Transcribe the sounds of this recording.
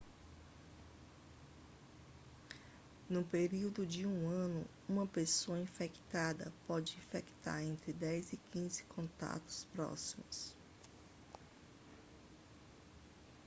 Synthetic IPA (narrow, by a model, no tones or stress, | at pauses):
nʊpeɾiwd̪ʊd͡ʒɪũɐ̃nʊ | ũmɐpesoɐĩfekt̪ad̪ɐ̰pɔd͡ʒɪĩfekt̪a̰ɾẽnt̪ɾɪd̪ɛjzɪkʰĩzɪ̥kʰõt̪a̰t̪ʊ̥spɾɔ̰simʊs